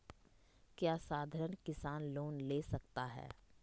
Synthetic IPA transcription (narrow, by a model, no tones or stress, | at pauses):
kjaːsaːd̪ʱəɾənkɪsaːnloːnleːsɐk̚t̪aɦɛ̰ː